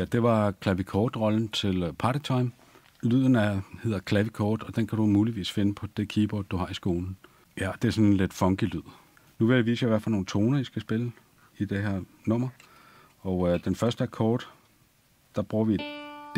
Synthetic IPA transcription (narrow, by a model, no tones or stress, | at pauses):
jæd̥e̝ʋɑ̈kʰlæʋikʰɒːd̥ʁɒ̽ln̩t͡sʰe̝lpʰɑ̈ːɾ̥it͡sʰɑ̈ɪm | lyð̞̰ˠn̩æhe̝ð̰ˠɐkʰlæʋikʰɒːd̥ɒ̽d̥enkʰæɾ̥umuːliʋḭːsfe̝nəpʰɒ̽d̥e̝kʰiːb̥ɒ̰ːd̥d̥uhɑ̈isɡ̥o̝ːln̩ | jæɒd̥e̝æɐsɒ̽nenle̝d̥fɒ̽ŋɡ̥ilyð̰ˠ | nuʋe̝jʋḭːsəjɑ̈iʋæɐfælno̝ːn̩t͡sʰo̝ːnɐisɡ̥æsb̥e̝lə | id̥e̝ɦeɐ̰ | nɔ̽m̰ɐ | ɒ̽ʊød̥enfɶɐsd̥əækʰɔːd̥ | d̥ɑ̈b̥ʁuːɐʋi̥